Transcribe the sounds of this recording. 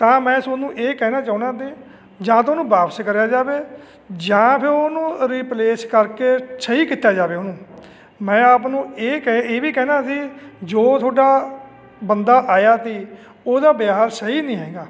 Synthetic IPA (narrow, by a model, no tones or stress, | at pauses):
t̪ãːmɛ̃ːsonũːʔeːkɛːnaːt͡ʃaːũːnãːt̪̬eː | d͡ʒãːt̪oːnũːbaːpskəɾjaːd͡ʒaːʋeː | d͡ʒãːpʰɪɾoːnũːɾiːpleːskəɾkeːsəɦiːkɪt̪aːd͡ʒaːʋeːoːnũː | mɛ̃ːaːpnũːeːkɛeːʋiːkɛːnaːsiːd͡ʒoːt̪ʰoːɖaː | bənd̪aːʔaːjaːt̪iː | oːd̪aːbjaːɦaɾsəɦiːnĩːɦɛ̃ːɡaː